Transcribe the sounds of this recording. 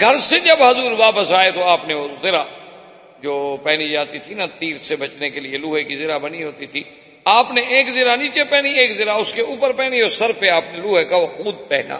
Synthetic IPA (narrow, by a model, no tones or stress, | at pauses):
ɡʱɐɾsed͡ʒɐbɦɐzuːɾʋaːpəsaːet̪oaːpneozɪɾa | d͡ʒoːpɛːnid͡ʒaːt̪it̪ʰinat̪iːɾsebɐt͡ʃnekelɪeluːɦekizɪɾabəniɦoːt̪it̪ʰiː | aːpneʔeːkzɪɾanĩːt͡ʃepɛːnieːkzɪɾaʊskeuːpəɾpɛːnioːsəɾpeaːpneluːɦekaʋoxuːd̪̚pɛːɦna̰ː